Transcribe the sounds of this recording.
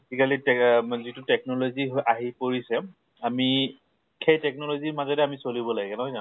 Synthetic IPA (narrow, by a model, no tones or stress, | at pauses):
tikalitɛzitʊtɛk̚nɔloziɦoʔaɦipoɹisɛ | ami | kʰejtɛk̚nɔloziɹmazɔdɛamisolibɔlaɡɛkɛnɔɦɔza